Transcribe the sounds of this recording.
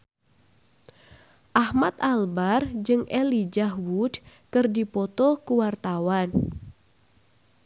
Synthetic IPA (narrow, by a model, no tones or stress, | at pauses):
ʔahmat̪albard͡ʒɨŋɛlid͡ʒaɦwudkɨrdipɔt̪ɔkuwart̪awan